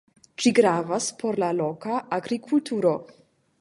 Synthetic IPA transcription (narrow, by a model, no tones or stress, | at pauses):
t͡ʃiɡɾaːvaspʰoɾlalɔkaʔaɡɾikʰult̪ʰuɾo